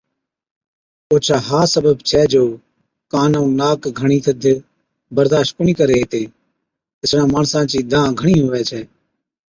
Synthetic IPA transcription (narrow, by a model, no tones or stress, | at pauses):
oːt͡ʃʰaːɦaːsəbəbt͡ʃʰɛːd͡ʒoː | kaːnõũːnaːkɡʱəɳ̃iːt̪ʰəd̪ʱ | bəɾd̪aːʃtkʊɳiːkəɾeːɦt̪eː | ɪsɽãːmaːɳsãːt͡ʃiːd̪ãːɡʱəɳiːɦʊʋɛːt͡ʃʰɛː